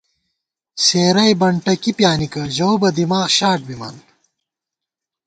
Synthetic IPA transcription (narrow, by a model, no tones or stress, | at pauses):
seːɾɐjbɐɳʈɐkipjaːnikɐʑowbɐd̪imaːɣɕaːʈ̚bimɐ̰n